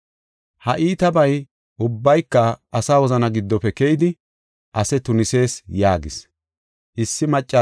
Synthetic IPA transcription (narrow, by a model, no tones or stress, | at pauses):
hɐʔiːt̪ɐbɐj | ʔʊbːɐjkːɐːsaːwɔzɐnɐɡɪd̪ːɔpɛkɛjɪd̪ɪ | ʔɐsɛt̪ʊnɪse̞ːsjaːɡɪs | ʔɪsːɪmɐt͡ʃʼːɐ